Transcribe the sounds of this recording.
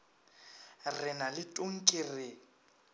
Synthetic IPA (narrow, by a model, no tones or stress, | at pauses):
rɪnalɪtʼʊŋ̩kʼɪrɪ